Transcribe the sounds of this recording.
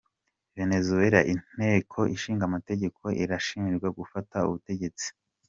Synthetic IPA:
ve̞ne̞zueɾaʔin̥e̞ːkʰo̞ʔiʃiːŋɡamate̞ɟe̞kʰo̞ʔiɾaʃiːnɡwaɡufataṵβute̞ɟe̞t͡si̥

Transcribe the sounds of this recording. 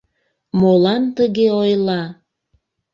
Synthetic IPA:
molɑnt̪əɣeojlɑ

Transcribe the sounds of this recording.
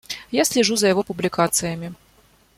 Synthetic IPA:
jasʲlʲɛʐuzɐjɐvɔpʊblʲikat̪sɨjəmʲi

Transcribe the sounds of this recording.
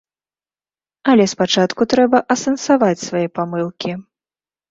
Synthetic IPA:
ɐlʲɛspat͡ʂat̪kut̪ɾɛbɐʔɐsɛnsavat͡sʲsvajɛpamɨlˠkʲʰi

